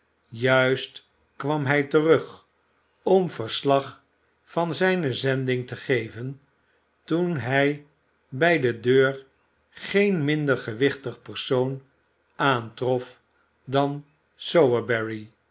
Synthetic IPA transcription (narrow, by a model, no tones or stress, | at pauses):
jœɥst | kʋɑmɦɛjtərɵχ | ɔmvəɹslɑχ | fɑnzɛjnəzɛndɪŋtəχejvən | tunɦɛj | bɛjdədøːɹ | χejnmɪndəɹχəʋɪχtəχpəɹsown | aːntrɔf | dɑn | sowəbɛɹi